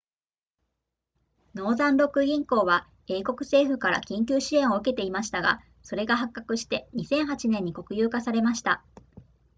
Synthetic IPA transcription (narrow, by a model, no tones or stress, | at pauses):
no̞ːzãnɾo̞kɯ̟ɡʲĩŋko̞ːβa | e̞ːko̞kɯ̟̥se̞ːɸɯ̟kaɾa̰kʲĩŋkʲɨːɕiẽ̞ɰ̃o̞ɯ̟ke̞t̪e̞imaɕi̥t̪aɡa̰ | so̞ɾe̞ɡaɦakːakɯ̟ɕi̥t̪e̞ɲ̟isẽ̞ɰ̃ɦat͡ɕinẽ̞ɲ̟ːiko̞kɯ̟jɯːkasaɾe̞maɕi̥t̪a